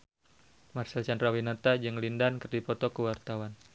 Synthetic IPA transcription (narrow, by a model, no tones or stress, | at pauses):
marsɛlt͡ʃandɾawinat̪ad͡ʒɨŋlindankərdipɔt̪ɔkəwart̪awan